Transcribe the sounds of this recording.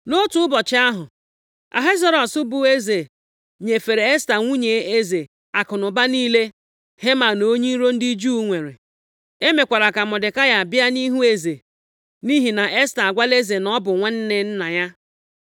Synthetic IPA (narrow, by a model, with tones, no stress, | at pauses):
no˦tʊ˦ʊ˦bɔ˨t͡ʃɪ˦a˦ɦʊ˨ | a̰˨ɦe˦zɔ˦ɾɔ˨sʊ˦bʊ˨e˦ze˨ | ɲe˨fe˨ɾe˨e˦sta˨ŋʷu˦ɲe˨˦e˦ze˨ | a˨kʊ˨nʊ˨ba˦niː˦le˦ | he˦ma˨no˦ɲi˦ɾo˦n̩˦di˦d͡ʒu˦ŋʷe˨ɾḛ˨ | e˦me˨kʷa˨ɾa˨ka˨mɔ˨dɪ˨ka˦ja˨a˨bɪ˦a˦ni˦ɦu˦e˦ze˨ | ni˦ɦi˨na˨ʔe˦sta˨a˨ɡʷa˦le˦ze˨nɔ˦bʊ˨ŋʷe˦n̩˦ne˦n̩˦na˨ja˦